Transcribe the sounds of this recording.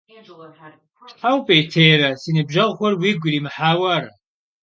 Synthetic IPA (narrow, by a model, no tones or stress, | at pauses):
ħawpʼeːtʰeːɾɐsinibʒɐʁχʷɐrwiɡʷɾimħaːwaɾɐ